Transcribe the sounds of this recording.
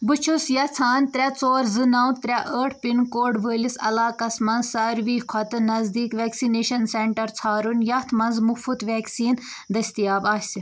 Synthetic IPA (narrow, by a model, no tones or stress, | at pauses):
bɨt͡ʃʰusjɐt͡sʰaːnt̪ɾʲɐt͡soːɾzɨnɐwt̪ɾʲɐʔəːʈʰpinkoːɖʋəːlisɐ̰laːkɐsmɐnzsaːɾʋiːkʰɔt̪ɨnɐzd̪iːkʋɛːksineːʃɐnseɳʈɐɾt͡sʰaːɾunjɐt̪ʰmɐnzmufut̪ʋɛːksiːn | d̪ɐst̪ijaːbaːsi